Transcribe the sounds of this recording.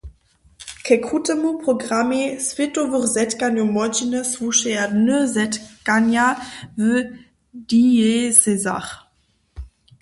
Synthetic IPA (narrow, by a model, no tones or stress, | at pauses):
kʰɛkʁutɛmupʁɔɡʁamesvetɔvəχzɛtkanjumɔd͡ʒinəsvuʃɛjadnəzɛtkanjavə | dieseza̰χ